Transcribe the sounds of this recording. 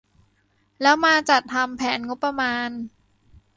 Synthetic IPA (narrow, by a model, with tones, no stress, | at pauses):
lɛː˦˥wmaː˧t͡ɕa˨˩t̪ʰːa˧mpʰɛː˩˦nŋo˦˥pːɾa˧maː˧n